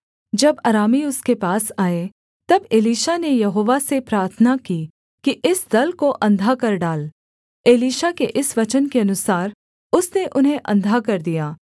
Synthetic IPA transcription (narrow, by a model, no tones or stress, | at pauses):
d͡ʒɐbɐɾaːmiʊskepaːsaːe | t̪ɐbeːliːʃanejɐɦoːʋasepɾaːɾt̪ʰənakiː | kiʔɪsd̪ɐlkoʔɐ̃nd̪ʱakɐɾɖaːl | eːliːʃakeʔɪsʋɐt͡ʃənkeɐnʊsaːɾ | ʊsneʔʊnɦẽʔɐ̰̃nd̪ʱakɐɾd̪ijaː